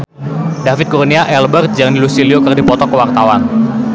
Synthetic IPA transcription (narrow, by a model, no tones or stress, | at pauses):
dafɪt̪̚kurniaʔɛlbərt̪̚d͡ʒaŋnilusiliokərdipɔt̪ɔkəwart̪awan